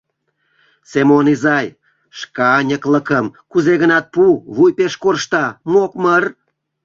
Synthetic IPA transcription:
semonizɑj | ʃkɑnʲəkləkəmkuzeɣənɑt̪̚puβujpeʃkorʃt̪ɑmokmər

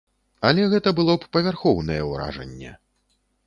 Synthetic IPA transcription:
ɐlʲɛɣɛt̪ɐbɨlˠɔppɐvʲarxɔwnɐjɛwɾa̰ʐɐ̰nʲːɛ̰

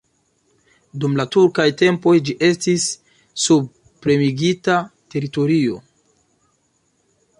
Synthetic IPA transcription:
dumlatuɾkajte̞mpo̞jd͡ʒiʔe̞stisː | ub̚ | pɾe̞miɡitate̞ɾito̞ɾio̞̰

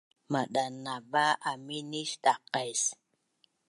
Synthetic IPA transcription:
maɗanabaaminiʃɗaqajs

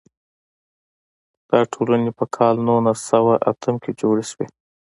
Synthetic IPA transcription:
d̪̥ɑʈʰolanepəkʰɑlnonasawaʔa̰t̪ʰəmked͡ʒoɽeʃwe

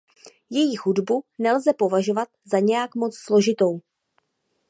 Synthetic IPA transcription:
jɛjixudbunɛlzɛpo̞vaʒo̞vat̪zaɲɛjakmo̞t͡sslo̞ʒɪt̪o̞w

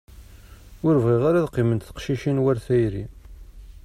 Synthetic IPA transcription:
ʊɾvʁiʁaɾaðqːimənt̪θə̥qʃiʃinwæɾθæjɾi

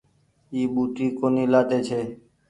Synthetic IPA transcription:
iːɓuːʈiːkoːniːlaːt̪eːt͡ʃʰeː

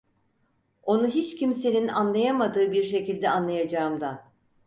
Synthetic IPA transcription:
o̞nuɦit͡ʃcʰimse̞ninanlˠajamad̪ɯːbiɾʃe̞cilʲd̪ɛanlˠajad͡ʒaːɯmd̪a

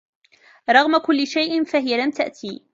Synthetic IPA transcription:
ɾˤɑɣmakʊlːɪʃajʔɪnfaɦɪjalamt̪aʔt̪ʰiː

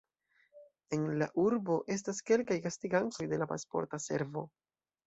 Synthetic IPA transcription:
e̞nlaʔuɾbo̞ʔe̞s̬taske̞lkajkastiɡanto̞jde̞lapa̰spo̞̰ɾtase̞̰ɾvo̞

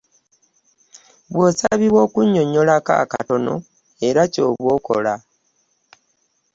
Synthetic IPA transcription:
βwosaβiβwo̞kuɲo̞ɲo̞laka̰ka̰to̞no̞̰ | e̞ɾaco̞ːβwo̞ko̞̰la

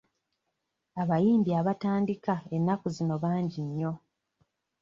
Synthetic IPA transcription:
aβajiːmbiaβataːndikae̞nːakuzino̞βaːɲɟiɲːo̞

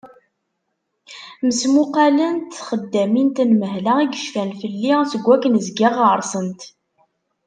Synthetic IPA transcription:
məsmuqɑlənt̪θχəd̪ːæmint̪ənməɦlæiɡəʃfænfəlːisəɡʷːækənzɡæʁəɾˤsˤənt̪

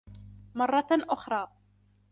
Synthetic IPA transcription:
mɑrˤːɑʔʊxɾˤɑː

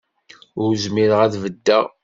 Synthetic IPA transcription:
ʊɾzmiɾəʁæðvəd̪ːæʁ

